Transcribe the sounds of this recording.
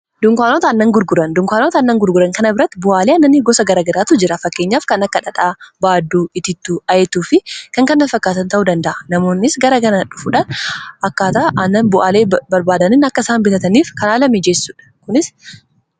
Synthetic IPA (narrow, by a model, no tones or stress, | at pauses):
d̪ʊŋkʷaːnoːt̪ɐːnːɐŋɡʊɾɡʊɾɐnd̪ʊŋkʷaːnoːt̪ɐnːɐŋɡʊɾɡʊɾɐŋkɐnɐbɪɾɐt̪ːɪbʊʔaːleːɐnːɐnɪɡɔsɐɡɐɾɐɡɐɾaːt̪ʊd͡ʒɪɾɐfɐkːeːɲːaːfkɐnɐkːɐᶑɐᶑ̪ʼaːbaːd̪ːuːɪt̪ɪt̪ːuɐjɛt̪uːfɪkɐŋkɐnːɐnfɐkːaːt̪ɐnt̪ɐʔud̪ɐnd̪ɐʔɐnɐmo̞ːnːɪsɡɐɾɐkɐnɐᶑʊfuᶑɐnʔɐkːaːt̪ɐʔɐnːɐnbʊʔaːleːbɐɾbaːd̪ɐnɪnɐkːɐsaːmbɪt̪ɐt̪ɐniːfkɐnaːlɐmɪd͡ʒesːuːᶑɐ̥kʊnɪs